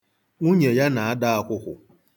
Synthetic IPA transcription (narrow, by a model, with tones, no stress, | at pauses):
ŋu˦ɲe˨ja˦na˨a˦da˦a˨kʷʊ˦kʷʊ̰˨